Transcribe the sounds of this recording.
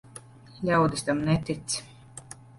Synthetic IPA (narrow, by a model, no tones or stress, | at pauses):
lawd̪ist̪amnɛt̪it̪s